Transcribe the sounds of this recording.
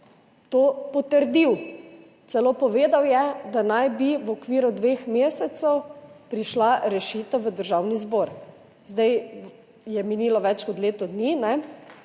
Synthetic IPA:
t̪oːpɔt̪əɾd̪iw | t̪sɛloːpɔʋeːd̪awjɛd̪anajbiʋɔkʋiːɾud̪ʋeːxmeːsɛt̪sɛwpɾiʃlaɾɛʃiːt̪əwʋəd̪əɾʒawnizboːɾ | zd̪aj | jɛminiːlɔʋɛt͡ʃkɔt̪leːt̪ɔd̪ninɛ

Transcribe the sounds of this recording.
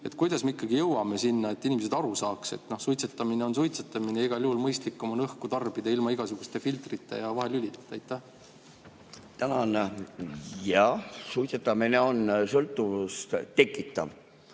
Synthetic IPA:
e̞t̪ˑkujd̪̥ɑsme̞ikːˑɑɡijɤwɑme̞sinːɑe̞t̪ːˑinʲimese̞d̪ɑɾusɑːkse̞̰t̪no̞hsujt̪set̪ːˑɑmine̞o̞nsujt̪set̪ːˑɑmineiɡ̥ɑlʲjuhulmɤjst̪likːo̞mɑnɤhkut̪ɑrb̥id̪ɑilmɑiɡ̥ɑsuɡ̥ust̪e̞filt̪rit̪ːˑe̞̰jɑvɑɦe̞lylʲit̪ːˑt̪ːˑɑjt̪ːˑæh | t̪ænɑn | jɑsujt̪set̪ːˑɑmine̞onsɤlt̪ːˑuvust̪t̪e̞kːˑit̪ˑːɑ̰v

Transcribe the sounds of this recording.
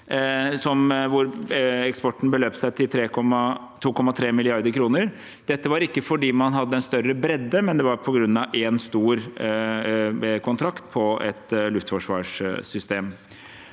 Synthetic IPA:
sɔmʋʊɾɛkspɔʈːn̩bəløːpsæɪt̪ʰɪlt̪ʰɾeːkɔmɑ | t̪ʰuːkʰɔmːɑt̪ʰɾeːmɪlɪɑɾd̪əɾkʰɾuːnəɾ | d̪̥ɛt̪ːəʋɑɾɪkːəfɔɖiːmɑnɦɑd̪ːəɛnst̪œɾːəbɾɛd̪ːəmɛnd̪ɛʋɑɾpʰɔɡɾʉnːɑʔeːnst̪uːɾ | kʰʊnt̪ʰɾɑkt̪pʰɔɛt̪lʉft̪fɔʂʋɑːʂʏst̪eːm

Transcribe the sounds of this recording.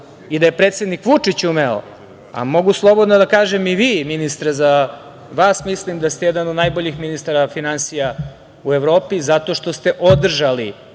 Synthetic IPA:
id̪ajepɾet̪sed̪nikʋut͡ʂit͡ɕumeo̰ | a̰mo̞ɡuslˠo̞bod̪nod̪akaːʒemiʋiːminist̪ɾeza | ʋaːsmislimd̪ast̪ejɛd̪anod̪najboʎixminist̪aɾafinansija | ueʋɾo̞ːpizat̪o̞ʃt̪o̞st̪e̞ʔod̪r̩ʒali

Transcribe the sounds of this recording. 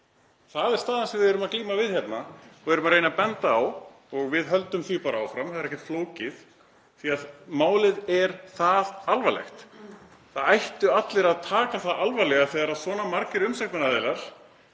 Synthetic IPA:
θaðɛɾ̥st̪aːðansɛvɪðɛɾʏmakliːmavɪðhçɛt̪naɔvɛɾʏmaɾrejnapɛnt̪aːw | ɔɣvɪðɦœlt̪ʏmθipaːɾaaːwfɾamθaðɛɾɛhcɛ̥t̪floːwcɪð | θiaðmaːwlɪðɛɾ̥θaðalvalɛ̰xt̪ | θaðajht̪ʏat̪lɪɾaðt̪ʰaːkaθaðalvajlɛɣaθɛːɣaɾaðsvɔːnamaɾcɪɾʏmsaknɛnaðeːlaɾ̥

